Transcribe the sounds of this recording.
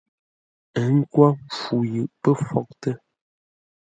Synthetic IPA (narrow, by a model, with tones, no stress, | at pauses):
ə˨ŋ̩˦kwa˦m˨fu˨jʉ˨ʔpə˦fɔ˦˨k̚tə˦